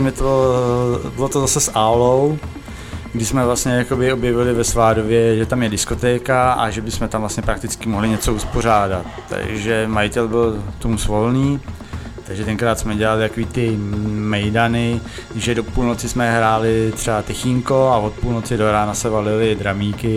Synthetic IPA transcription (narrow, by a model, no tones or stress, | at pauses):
mɛt̪o | bɪlot̪ozasɛsʔaːlo̞w | ɡdɪsmɛvlasɲɛjako̞bɪo̞bjɛvɪlɪvɛsvaːdovjɛʒɛt̪amjɛdɪsko̞t̪ɛːkaa̰ʒɛbɪsmɛt̪amvlasɲɛpɾak̚t̪ɪt͡skɪmoɦlɪɲɛt͡so̞uspo̞r̝aːdat̪ːa̰ɡʒɛmajɪt̪ɛlbɪlt̪uːmsvo̞lniː | t̪aɡʒɛt̪ɛŋkɾaːt̪smɛɟɛlalɪt̪akoviːt̪ɪmɛjdanɪ | ʒɛdo̞puːlno̞t͡sɪsmɛɦɾaːlɪt̪r̝̥ɛbat̪ɛxɪŋko̞ao̞t̪̚puːlno̞t͡sɪdo̞ɾaːnasɛvalɪlɪd̪ɾamiːkɪ